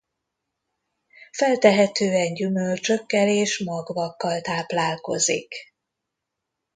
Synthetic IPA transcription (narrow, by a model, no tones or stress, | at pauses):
fɛlt̪ɛɦɛt̪øːɛɲɟymølt͡ʃø̞kːɛleːʃmɒɡvɒkːɒlt̪aːplaːlko̞̰zḭk